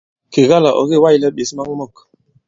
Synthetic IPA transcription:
ke˨ɣa˦la˨ʔɔ̰˨ɣe˦˨˦wa˦ji˦˨lɛ˦ɓe˨si˦ma˦ŋɔ˦mɔ˦˨k

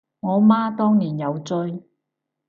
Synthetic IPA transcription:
ŋɔː˨˧maː˥t̪ɔː˥ŋniː˨˩njɐ˨˧wt͡sɵ˥j

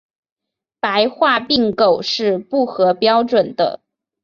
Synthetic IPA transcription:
pa˧˥ɪxwa˥˧pi˥˩ŋko˨˩ʊʂɻ̩˥˧pu˥˩xɤ˧˥pjɑ˥ʊʈ͡ʂwə˨˩nd̪ə̰˦

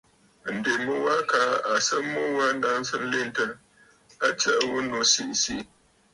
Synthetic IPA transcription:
n̩˨de˨mɨ˦wa˦ka˨˦a˨sə˦mu˦wa˦n̩˦da˦n˦sə˦n̩˦le˦n˦tə˦ | a˦tə˦˨ʔwu˦no˨si˦ʔsi˦ʔ

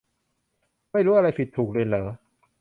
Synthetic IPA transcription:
ma˥˩jɾuː˦˥ʔa˧ɾa˧jpi˨˩t̪ʰːuː˨˩k̚ɾːnlɤː˩˦

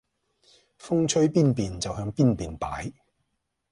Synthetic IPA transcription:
fʊ˥ŋt͡ʃʰɵ˥ɥpiː˥npiː˨nt͡sɐ˨wɦœː˨˧˥ŋpiː˥npiː˨npa̰ː˨˥j

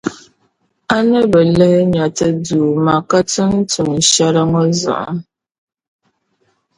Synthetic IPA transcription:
a˦nə˦bə˨lɛ˦hɲa˨tə˦duː˨ma˨ka˦tɨ˦n̩˦tu˨ŋ̩˨ʃa˦ɾa˦ŋɔ˦za̰˨ʔa̰˦

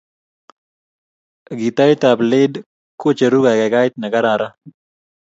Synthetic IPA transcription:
ɡi˨t̪a˦jt̪a˨plɪ˦d | kʊ˦t͡ʃe˨ɾu˦ɡa˨kɛ˨ɡa˦jt̪nɛ˨ɡa˦ɾa˨ɾa˦

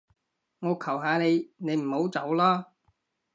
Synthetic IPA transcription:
ŋɔː˨˧kʰɐ˨˩wɦaː˧ne˨˧jne˨˧jm̩˨˩ho˨˥wt͡sɐ˨˥wlaː˥

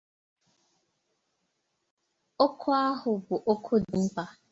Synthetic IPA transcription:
o˦kʰʊ˦a˦ɦʊ˨bʊ˨ʔo˦kʰʊ˦di˨m̩˦pa˦

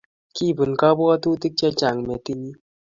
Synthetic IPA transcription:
ki˦˨bu˨nka˦bɔ˦a˦t̪u˦t̪i˦k̚t͡ʃɛ˦t͡ʃa˨ŋmɛ˨t̪i˦ni˦

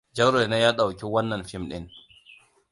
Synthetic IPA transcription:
d͡ʒɐ˦ɾe˨na˦jaː˦ɗa˨wkʲi˦wɐ˦nːɐ˨mɸɪ˦mɗɪ̰˦n

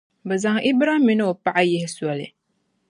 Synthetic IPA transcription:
ba˨za˨ŋʔi˦bɾa˦hmi˦n˦o˨pa˦˨ʔa˦jɛ˨hɪ˦su˨a˨lḭ˨

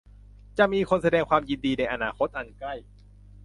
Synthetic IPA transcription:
t͡ɕa˨˩ʔmiː˧kʰo˧nsa˧dɛː˧ŋkʰwaː˧mji˧ndiː˧na˧jʔa˧naː˧kʰo˦˥t̪̚ʔa˧nkla˥˩j

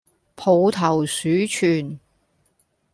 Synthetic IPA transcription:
pʰo˨˧wt̪ʰɐ˨˩wsyː˨˥t͡ʃʰyː˨˩n

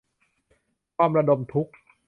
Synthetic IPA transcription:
kʰaː˧mɾa˧do˧mt̪ʰu˦˥k̚

